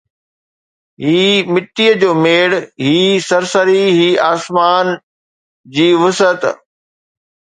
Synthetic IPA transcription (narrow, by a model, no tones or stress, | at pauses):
ɦiːmɪʈ̪ːiːəd͡ʑoːmeːɽɦiːsɐɾsəɾiɦiːaːsmaːn | d͡ʑiːʋʊsət̪